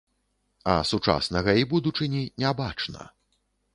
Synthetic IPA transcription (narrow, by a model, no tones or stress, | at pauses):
ɐ̰sut͡ʂa̰snɐɣɐibud̪ut͡ʂɨnʲinʲɛbat͡ʂnɐ̰